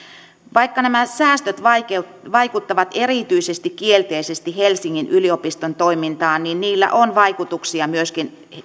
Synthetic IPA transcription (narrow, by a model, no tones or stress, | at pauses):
ʋɑikːɑnæmæsæːst̪øt̪ʋɑike | ʋɑikut̪ːɑʋɑt̪erit̪yisest̪ikkielt̪eisest̪ihelsiŋːinʔyliopist̪ont̪oimint̪ɑːnninniːlːæ̰ʔonʋɑikut̪uksiɑmyøskin